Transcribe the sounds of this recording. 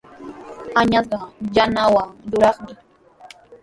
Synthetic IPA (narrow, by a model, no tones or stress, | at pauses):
aɲat̪ɑjanawaɾʊɾɑχmɪ